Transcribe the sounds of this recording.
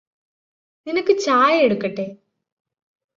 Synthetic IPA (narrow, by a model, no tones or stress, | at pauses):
ninɐkːɨt͡ɕaːjeɽukːɐʈːeː